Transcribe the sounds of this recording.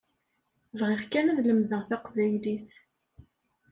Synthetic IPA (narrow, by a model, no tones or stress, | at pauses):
vʁɪʁkænæðləmðəʁθæqvæjliθ